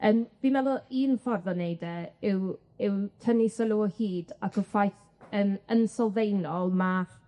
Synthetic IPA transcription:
əːmv̥imɛlˠʊiːnfɔrðɔnejdɛɪw | ɪwtʰənisəlˠuɔhiːdakʰɔfajθ | ənənsɔlˠvejnɔlˠma

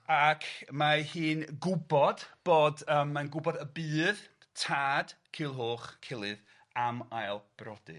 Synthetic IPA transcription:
akʰmahiːnɡʊbɔd̥b̥oːdəːmːanɡʊbɔdəbɨːð | tʰaːd̥kʰɪːlˠɦoːχkʰɪlˠɨð | amajlˠb̥rɔd̥ɨ̰

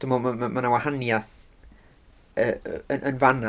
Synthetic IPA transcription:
d̥ɪmɔmmamanawahanjaθ | əənʔənvana

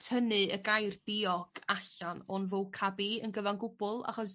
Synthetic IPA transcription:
tʰənɨəɡajrd̥iɔɡ̥aɬanɔnvowkʰabiənɡəvanɡʊbʊlˠa̰χɔs

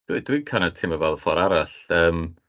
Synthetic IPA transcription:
d̥widwikʰanətʰɪməvɛlˠfɔɾaɾaɬəːm

